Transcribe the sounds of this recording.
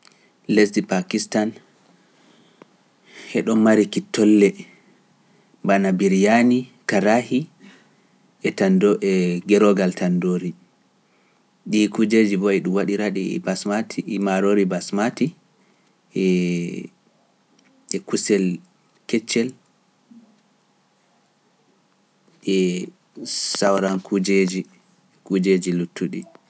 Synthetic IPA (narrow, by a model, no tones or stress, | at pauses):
lɛsdipakistan | hɛɗɔmaɾikitːɔlːɛ | banabiɾijanikaɾahi | ɛtandoʔɛɡɛɾɔɡaltʰandoːɾi | ɗikud͡ʒed͡ʒibɔɛɗumwaɗiɾaɗḭbasmatʰimaɾoːɾibasmati | ɛ | ɛkusɛl | kɛt͡ʃːɛl | ɛ | sawɾankud͡ʒed͡ʒi | kud͡ʒed͡ʒilutʰːuɗḭ